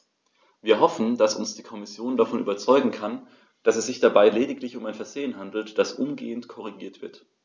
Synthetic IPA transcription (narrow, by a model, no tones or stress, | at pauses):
viːɐɦɔfn̩d̥asʊ̰nsd̥iːkʰɔmɪsjoːndafɔnʔy̰ːbɐt͡sɔʏɡŋ̩kʰan | d̥asɛsz̥ɪçd̥abaɪleːdɪklɪçʊmaɪnfɛɐz̥eːənɦandl̩td̥asʔʊmɡḛːəntkʰɔʁ̞iɡiːɐtv̥ɪɐt